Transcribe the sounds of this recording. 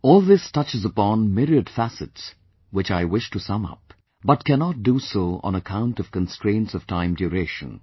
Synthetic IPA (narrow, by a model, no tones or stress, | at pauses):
ɔːlˠðɪstʰʌt͡ʃɨzəpɔ̃nmɪɹiɨdfæsɨts | wɨt͡ʃaɪwɪʃtɨsʌ̃mʌ̰p̚ | bʌt̚kʰænɑt̚dusoə̰̃nəkʰãʊ̃ntʌv̥kə̃nstɹ̥ẽɪ̃ntsʌv̥tʰãɪ̃mdjuɾeʃə̰̃n